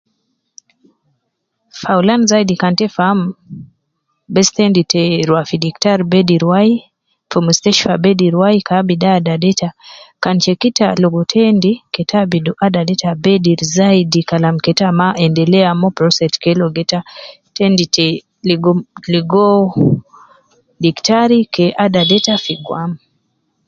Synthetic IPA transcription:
faulanzaidikantɛfam | bɛstɛnditɛɾwafidiktaɾbɛdiɾwai | fɔmɛstɛʃfabɛdiɾwaikabidadadɛtakant͡ʃɛkitalɔɡɔtʰɛndikɛtʰabiduʔadadɛtabɛdiɾzaidikalamkɛtamaʔɛndɛlɛamɔpɾɔsɛtkɛlɔɡɛta | tɛnditɛ | liɡɔliɡɔ | diktaɾikɛʔadadɛtafiɡwam

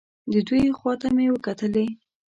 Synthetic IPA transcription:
d̪əd̪ujxwɑt̪amewəkat̪əle

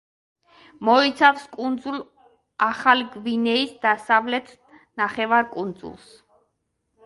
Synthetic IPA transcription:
mɔit̪sʰafskʼund̪zulˠ | aχaliɡvinɛisd̪asavlɛt̪ʰ | naχɛvaɾkʼund̪zṵlˠs

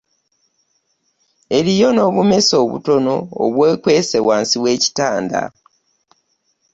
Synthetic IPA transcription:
e̞ɾijo̞no̞βume̞so̞ːβṵto̞no̞̰ːβwe̞ːkweːse̞waːnsiβwe̞ːci̥taːnda̰

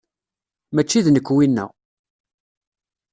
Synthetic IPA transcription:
mæt͡ʃːiðnəkːwinːæ̰ʁ

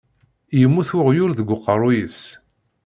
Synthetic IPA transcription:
jəmːuθʊʁjʊɾðəɡʷːʊqːəɾˤujəs

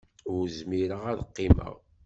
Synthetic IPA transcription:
ʊɾzmiɾəʁæðəqːɪmə̰ʁ

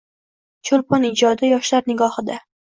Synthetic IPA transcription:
t͡ʃʰolpʰonɪd͡ʒɒd̪ɪjɒʃlaɾnɪɡɒhɨd̪a

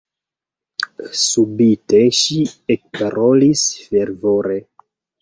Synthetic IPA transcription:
subiteʃiek̚paɾolisfeɾvo̞ɾe

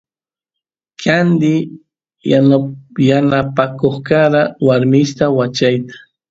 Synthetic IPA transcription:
kʰand̪ɪ | janjanapakoχkaɾawaɾmɪʃt̪awat͡ʃajt̪ḁ

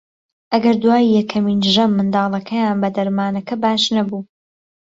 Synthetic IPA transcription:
ʔɐɡɐɾd̪waːjːɛkʰɐmiːnʒɐmːɨnd̪ɑːlˠɐkʰɐjaːnbɐd̪ɐɾmaːnɐkʰɐbaːʃnɐbuː

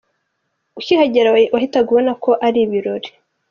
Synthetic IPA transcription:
uçihaɟeɾawahitaɡuβonako̞ʔaɾiβiɾo̞ɾe̥

